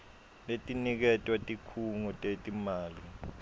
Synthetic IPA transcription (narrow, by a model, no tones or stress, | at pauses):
letʼinik̬ɛtʼwatʼikʰuŋɔtʼetʼimaːli